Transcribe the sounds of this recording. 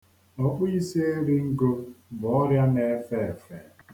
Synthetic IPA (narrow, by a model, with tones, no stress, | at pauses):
ɔ˦k͡pʊ˦i˦si˦e˦ɾi˦ŋ̩˦ɡo˦bʊ˨ɔ˦ɾja˦ne˨˦fɛ˦˨e˨fe˨